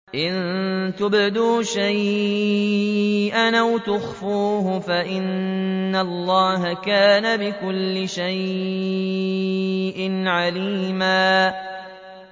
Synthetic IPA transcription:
ʔɪnt̪ʊbd̪uːʃaj | ʔanʔawt̪ʊxfuːɦʊfaʔɪnːalˤːɑːɦakaːnabɪkʊlːɪʃaj | ʔɪnʕaliːmaː

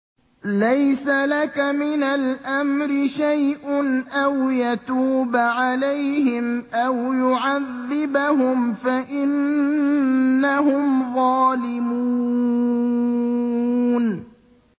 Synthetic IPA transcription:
lajsalakamɪnalʔamɾɪʃajʔʊnʔawjat̪uːbʕalajhɪmʔawjʊʕaðːɪbaɦʊmfaʔɪn | aɦhʊmðˤɑːlɪmuː | n

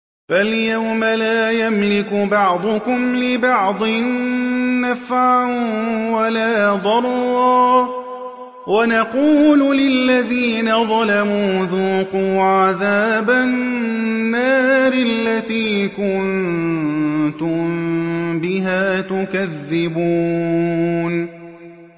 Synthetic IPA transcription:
faljawmalaːjamlɪkʊbɑʕd̪ˤʊkʊmlɪbɑʕd̪ˤɨnː | afʕawalaːd̪ˤɑɾˤɑː | wanɑquːllɪlːaðiːnaðˤɑlamuːðuːquːʕaðaːbaː | aːɾɪlːat̪iːkʊn | t̪ʊmbɪɦaːt̪ʊkaðːɪbuː | n

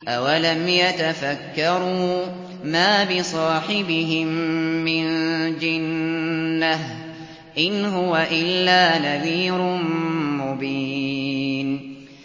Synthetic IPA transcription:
ʔawalamjat̪afakːɑɾˤuː | maːbɪsˤɑːħɪbɪɦɪmːɪnd͡ʒɪnː | ah | ʔɪnɦʊwaʔɪlːaːnaðiːɾnmʊbiː | n

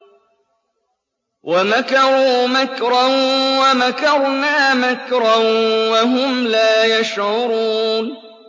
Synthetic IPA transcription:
wʔamakɑɾuːmakɾawamakɑɾˤnaːmakɾawaɦʊmlaːjaʃʕʊɾuːn

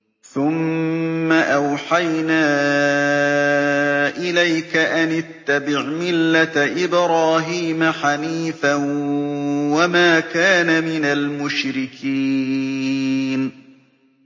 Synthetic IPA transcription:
θʊmː | aʔawħajnaː | ʔɪlajkaʔanɪt̪ːabɪʕmɪlːat̪ʔɪbɾaːɦiːmaħaniːfan | wamaːkaːnamɪnalmʊʃɾɪkʰiː | n

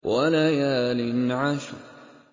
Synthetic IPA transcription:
waalaːjaːlɪnʕaːʃʊ

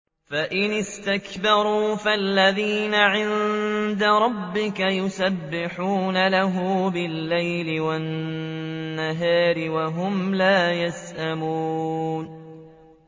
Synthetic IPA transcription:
faʔɪnɪst̪akbɑɾˤuːfalːaðiːnaʕɪnd̪aɾˤɑbːɪkajʊsabːɪħuːnalaɦʊbɪlːajlɪwanː | aɦaːɾɪwaɦʊmlaːjasʔamuːn

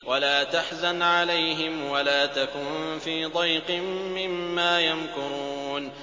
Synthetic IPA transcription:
walaːt̪aħzanʕalajɦɪmwalaːt̪akʊnfiːd̪ˤɑjqɨmːɪmːaːjamkʊɾˤuːn

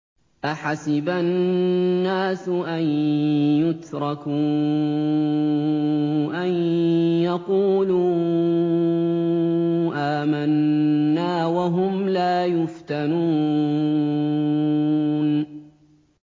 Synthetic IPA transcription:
ʔaħasɪbanː | aːsʔanjʊt̪ɾˤɑkuː | ʔanjɑquːluː | ʔaːmanːaːwaɦʊmlaːjʊft̪anuː | n

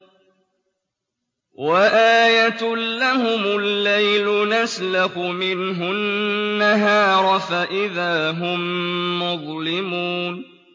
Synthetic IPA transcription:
waʔaːjat̪ːahʊmʊlːajlʊnaslaxʊmɪnɦʊnːaɦɑːɾˤfaʔɪðaːɦʊmːʊðˤlɪmuːn

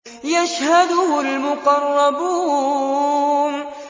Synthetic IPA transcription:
jaʃhad̪ʊhʊlmʊqɑrˤːɑbu | n

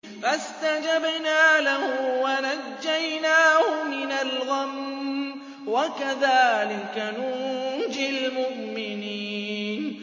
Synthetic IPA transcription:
fast̪ad͡ʒabnaːlahʊwanad͡ʒːajnaːhʊmɪnalɣam | wakaðaːlɪkanʊd͡ʒɪlmʊʔmɪniːn

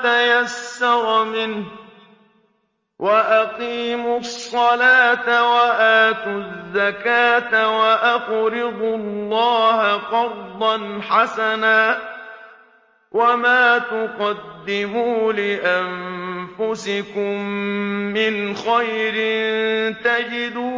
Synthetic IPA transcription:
t̪ajasːɑɾˤmɪnh | wʔaʔaqiːmʊsˤːɑlaːt̪awaʔaːt̪ʊzːakaːt̪awaʔaɣɾɪd̪ʊllːɑːɦaqɑɾd̪ˤɑnħasanaː | wʔamaːt̪ʊqɑd̪ːɪmuːlɪʔanfʊsɪkʊmː | ɪnxajɾɪnnt̪ad͡ʒɪd̪uː

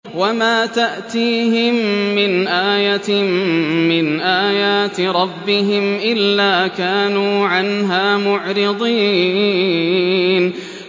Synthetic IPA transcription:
wamaːt̪aʔt̪iːɦɪmːɪnʔaːjat̪ː | ɪnʔaːjaːt̪ɾˤɑbːɪɦɪmʔɪlːaːkaːnuːʕanɦaːmʊʕɾɪd̪ˤiː | n

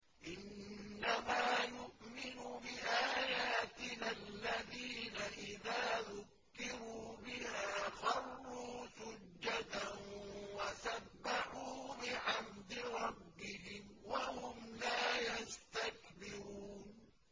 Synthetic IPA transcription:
ʔɪnːamaːjʊʔmɪnubɪʔaːjaːt̪ɪnalːaðiːnaʔɪðaːðʊkːɪɾuːbɪhaːxɑrˤːuːsʊd͡ʒːat̪anwasabːaħuːbɪʕamd̪ɪɾˤɑbːɪhɪmwahʊmlaːjast̪ak̚bɪɾuːn

